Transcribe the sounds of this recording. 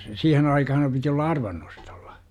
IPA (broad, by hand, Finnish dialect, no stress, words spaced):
siːhen ɑikɑhɑm piti olːɑ ɑrʋɑnːosto̥l̥ːɑ̥